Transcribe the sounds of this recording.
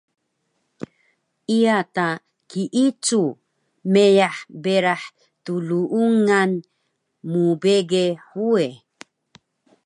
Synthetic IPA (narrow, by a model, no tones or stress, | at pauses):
ijata | kiʔit͡su | mejaħbeɾaħ | tuluʔuŋan | mubeɡeħue